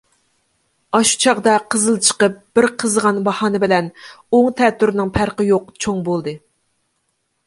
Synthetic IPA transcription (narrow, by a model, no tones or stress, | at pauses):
ɑʃu̥t͡ʃʰɑʁd̪ɑqʰəzɨlˠt͡ʃʰə̥qəp̚b̥ɪɾqʰəzʁɑnbɑhɑːnɨbɪlɛn | oŋt̪ʰɛt̪ːyɾnɪŋpʰæɾqəjoqt͡ʃʰoŋbolˠd̪ɨ